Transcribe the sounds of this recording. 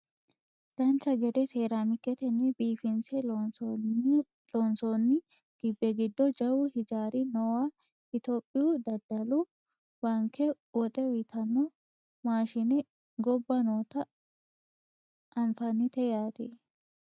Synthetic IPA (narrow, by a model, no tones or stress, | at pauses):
lɐnt͡ʃːɐɡɛd̪ɛseːɾamɪkːɛt̪ɛnːɛbiːfɪnsɛ | lɔnsonːɪ | ɡ̥ɪbːɛɡɪd̪ːɔd͡ʒɐwʊhɪd͡ʒaːɾɪnɔwaː | ʔɪt̪oːpʼːɪjud̪ɐd̪ɐlʊ | bɐŋkʰːɛ | wɔt̪ʼɛwɪt̪ʰɐnːɔ | maːʃɪnɛ | ɡɔbːɐnoːt̪ɐ | ʔɐnfɐnɪt̪ɛjaːt̪eː